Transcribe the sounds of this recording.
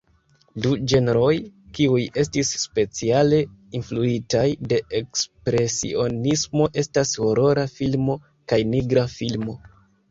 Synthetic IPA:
dud͡ʒe̞neɾo̞jkiuje̞stisːpe̞t͡siale̞influitajde̞ekspɾe̞sḭo̞nismo̞ʔe̞stasho̞ɾo̞ɾafilmo̞ | kajniɡɾafilmo̞

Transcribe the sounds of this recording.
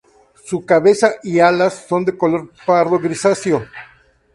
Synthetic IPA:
sukaβe̞saʔialasːo̞nd̪e̞koloɾpaɾðoɣɾisasjo

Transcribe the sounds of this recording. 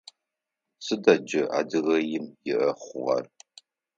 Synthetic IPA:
sɨdɐd͡ʒɐa̰ːdɨɣɐjɪmjɪʔɐχʷʊʁɐ̰r

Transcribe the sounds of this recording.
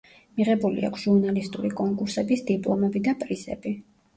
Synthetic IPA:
miʁɛbulḭa̰kʷʰsʒ̥uɾnalist̪ʼuɾikʼɔŋkʼuɾsɛbisd̪̥ipʼlˠɔmɛbid̪apʼɾizɛ̰bi

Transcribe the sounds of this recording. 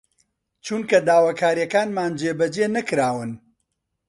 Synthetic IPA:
t͡ʃuːnkɐd̪aːwakʰaːɾjɐkaːnmaːnd͡ʒeːbɐd͡ʒeːnɐkɾaːwɨn

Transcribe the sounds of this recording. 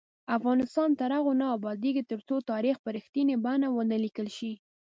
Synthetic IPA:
afɣɑnɪst̪ɑnt̪aɾaɣonaːbɑd̪eɡit̪əɾt͡sot̪ɑɾixpəɾixt̪inebanawənəlikəlʃi

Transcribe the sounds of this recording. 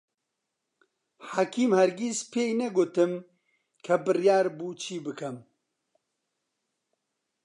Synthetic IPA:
ħaːkʰiːmhɛɾɡispʰeːjnɛɡoːt̪ɨm | kʰɐbɨrjaːɾbuːt͡ʃʰiːbɨkʰɐm

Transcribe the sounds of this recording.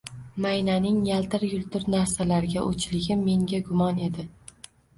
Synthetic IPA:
majnanɪŋjalt̪ʰɪɾjʊlˠt̪ʰʊɾnaɾsalaɾɪɡʲaʔo̰t͡ʃʰlɪɡʲɪmːe̞ŋɡʲaɡʊmɒne̞d̪ɪ

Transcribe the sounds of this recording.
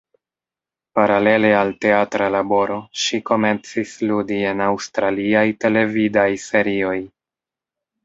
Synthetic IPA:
paɾale̞le̞alte̞atɾalabo̞ɾo̞ʃiko̞me̞nt͡sisludie̞nawstɾaliajte̞le̞vidajse̞ɾio̞j

